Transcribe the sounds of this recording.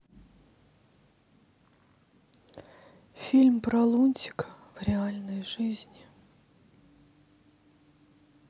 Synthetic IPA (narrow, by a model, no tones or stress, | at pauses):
fʲilʲmpɾɐlˠunʲtʲɪ̥kə̥v̥ɾʲɪalʲnəjʐɨzʲnʲɪ